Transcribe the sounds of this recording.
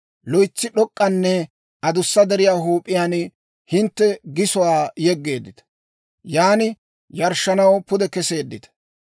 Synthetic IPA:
lɔjt͡sːɪɗɔkʼːɐnːɛ | ʔɐd̪ʊsːɐd̪ɛɾɪjaːɦuːpʼːɪjaːn | hɪnt̪ːɛɡɪsɔwaːjɛɡːe̞ːd̪ːɪt̪ɐ̥ | jaːnɪ | jɐɾʃːɐnɐwpʊd̪ɛkɛse̞ːd̪ːɪt̪ɐ̥

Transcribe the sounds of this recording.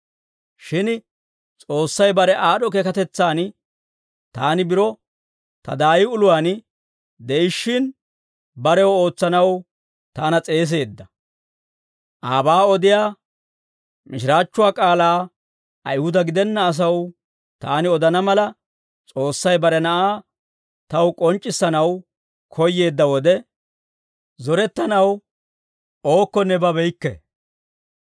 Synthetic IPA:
ʃɪn | t͡sʼo̞ːsːɐjbɐɾɛʔaːɗɔkɛkɐt̪ɛt͡sːaːn | t̪aːnɪbɪɾɔ | t̪ɐ̰d̪aːjɪʊlʊwaːn | d̪ɛɪʃːɪn | bɐɾɛwɔo̞ːt͡sːɐnɐw | t̪aːnɐt͡sʼe̞ːs̬e̞ːd̪ːɐ | ʔaːbaːɔd̪ɪjaː | mɪʃɪɾaːt͡ʃːʊwaːkʼaːlaː | ʔɐjhʊd̪ɐɡɪd̪ɛnːɐːs̬ɐw | t̪aːnɪɔd̪ɐnɐmɐlɐ | t͡sʼo̞ːsːɐjbɐɾɛnɐʔaː | t̪ɐwkʼɔnt͡ʃʼːɪsːɐnɐw | kʰɔjːe̞ːd̪ːɐwɔd̪ɛ | zɔɾɛt̪ːɐnɐw | o̞ːkːɔnːɛbɐbɛjkːɛ̰

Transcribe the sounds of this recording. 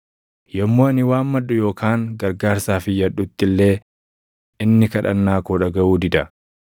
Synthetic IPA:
jɐmːoːɐnɪwaːmːɐᶑːʊjo̞ːkʰaːŋɡɐɾɡaːɾsaːfɪjɐᶑʊt̪ːɪlːe̞ː | ɪnːɪkɐᶑɐ̰nːaːkoᶑɐɡɐʔuːd̪ɪd̪ɐ

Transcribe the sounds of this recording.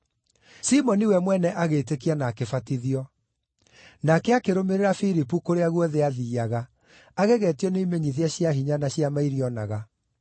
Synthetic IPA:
simɔniwɛmwɛnɛʔaɣeːtekianaːkefatiðiɔ | nakɛakeɾomeɾeɾafiɾipukoɾeaɣwɔðeaðiːaɣa | aɣeɣɛːtiɔneimeɲiðiaɕjaɦiɲanaɕjamaiɾiɔna̰ɣa

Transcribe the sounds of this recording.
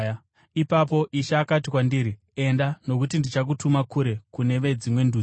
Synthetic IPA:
ipap̬o̞ʔiʃaːkatikwandiːɾi | e̞ndano̞k̬utindit͡ʃak̬utumakuɾe̞kune̞ʋe̞d͡zimwe̞ndu

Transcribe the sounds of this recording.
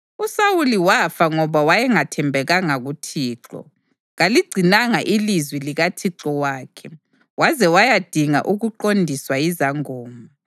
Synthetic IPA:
usawuliwafaŋɔβawajɛŋatʰɛmbʱɛɣaŋaɣutʰiːǁɔ̰ | ɣaliɡ͡ǀʱinaŋaʔilizwiliɣatʰiǁɔwaːkʰɛ | wazɛwajad̥ʱiŋa̰ʔuɣuǃondʱiswajizaŋoːmu

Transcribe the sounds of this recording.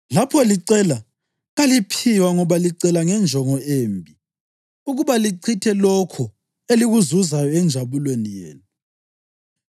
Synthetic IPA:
lapʰɔliǀɛla | ɣalipʰiwaŋɔβaliǀɛlaŋɛnd͡ʒʱɔŋɔeːmbʱi | uɣuβaliǀʰitʰɛlɔkʰɔ | eliɣuzuzajɔɛnd͡ʒʱaβulwenijḛːnu

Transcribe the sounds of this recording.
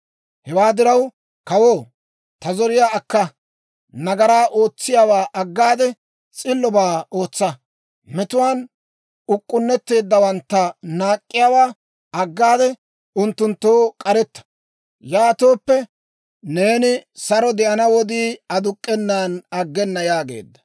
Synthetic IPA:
hɛwaːd̪ɪɾɐw | kɐwoː | t̪ɐzɔɾɪjaːkːɐ | nɐɡɐɾaːʔoːt͡sːɪjaːwaːʔɐɡːaːd̪ɛ | t͡sʼɪlːɔbaːo̞ːt͡sːɐ | mɛt̪ʊwaːn | ʊkʼːʊnːɛt̪ːe̞ːd̪ːɐwɐnt̪ːɐnaːkʼːɪjaːwaː | ɐɡːaːd̪ɛ | ʊnt̪ːʊnt̪ːoːkʼɐɾɛt̪ːɐ̥ | jaːt̪oːpːɛ | ne̞ːnɪsɐɾɔd̪ɛʔɐnɐwɔd̪iːɐd̪ʊkʼːɛnːaːnɐɡːɛnːɐjaːɡe̞̰ːd̪ːɐ̥

